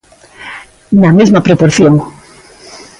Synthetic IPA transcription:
nɐmezmapɾopoɾθjoŋ

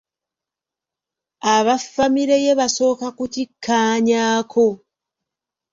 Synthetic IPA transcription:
aβafːamiɾeje̞βaso̞ːkakutikʰːaːɲaːkʰo̞

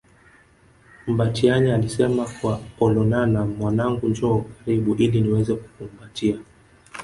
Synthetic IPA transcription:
m̩batiaɲaalisɛmakwaɔlɔnanamwanaŋɡuɲd͡ʒɔkaɾiɓuʔiliniwɛzɛku̥kum̩batia

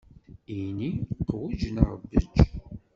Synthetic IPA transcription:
iniqwud͡ʒnəɾə̰bːə̰d͡ʒ

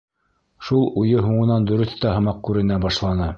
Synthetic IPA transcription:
ʃulˠujɤɦuɴɤ̆nɑnd̪ɵ̆ɾɵ̆θt̪ɑɦɤ̆mɑq̚kʉɾɘ̆næbɑʃlˠɑnɤ

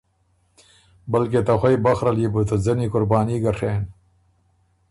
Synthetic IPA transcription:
bɐlket̪ɐxʷɐjbɐxɾɐlibut̪ɐzɐnikʊɾbaːniɡɐɾʂeːn

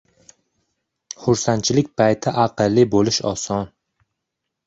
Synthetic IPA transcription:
χʊɾsant̪t͡ʃʰɪlɪkʲpʰajt̪ʰɪʔaqɨlːɪbolɪʃɒ̰sɒn

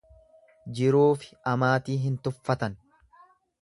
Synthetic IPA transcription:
d͡ʒɪɾuːfɪ̥ʔɐmaːt̪iːɦɪnt̪ʊfːɐt̪ɐn

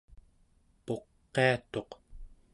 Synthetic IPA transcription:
po̞qːe̞at̪o̞q

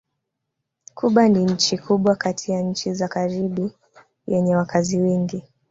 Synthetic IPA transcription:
kʰuɓaniɲ̩t͡ʃikʰuɓwakatʰijaɲ̩t͡ʃizakaɾiɓu | jɛɲɛwakʰaziwɛŋɡi

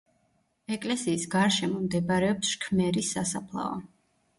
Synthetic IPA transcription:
ɛkʼlɛsiːsɡaɾʃɛmɔmd̪ɛbaɾɛɔpsʃkʰmɛɾisːasapʰlˠa̰ɔ̰

